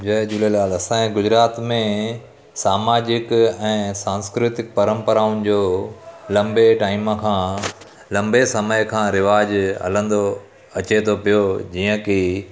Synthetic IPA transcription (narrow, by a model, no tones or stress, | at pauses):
d͡ʑɐd͡ʑulelaːlɐsãːẽɡʊzɾaːt̪mẽ | saːmaːd͡ʑɪkɛ̃ːsãːnskɾɪt̪ɪk̚pɐɾə̃mpəɾaːʊnɪ̆d͡ʑoːlɐ̃mbeʈaːɪməkʰãː | lɐ̃mbesɐməjkʰãːɾɪʋaːd͡ʑɦɐ̰lə̃nd̪o | ɐt͡ɕet̪ʰopijod͡ʑiːə̃ki